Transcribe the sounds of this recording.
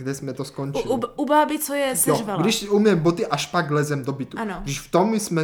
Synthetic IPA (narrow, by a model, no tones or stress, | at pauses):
ɡdɛsmɛt̪oskont͡ʃilubaːbit͡sojɛsjoʒvalɡdɪʃsiumjɛmbot̪iʔaʃpaɡ̚ɡlɛzɛmd̪obɪt̪uanoɡdiʃft̪omsmɛ